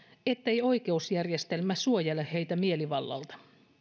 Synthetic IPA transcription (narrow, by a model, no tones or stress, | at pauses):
et̪ːejo̞ike̞usjærjest̪elmæsuojelehejt̪æmieliʋɑlːɑ̰lt̪ɑ̥